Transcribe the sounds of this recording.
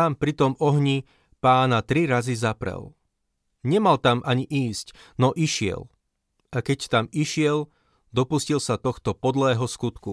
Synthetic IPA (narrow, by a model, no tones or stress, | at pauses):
ampɾit̪ɔmɔɦɲi | paːnat̪ɾiɾazizapɾɛ̰l | ɲɛmalt̪amʔaɲiʔiːscnɔʔiʃɪɛ̰l | akɛct̪amiʃɪɛl | d̪ɔpuscilsat̪ɔxt̪ɔpɔd̪lɛːɦɔskut̪ku